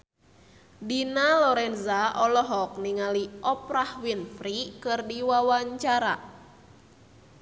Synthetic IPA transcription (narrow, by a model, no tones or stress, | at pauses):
dinalɔɾɛnzaɔlɔɦɔk̚niŋaliʔɔpɾahwinfɾikɨrdiwawaɲt͡ʃaɾa̰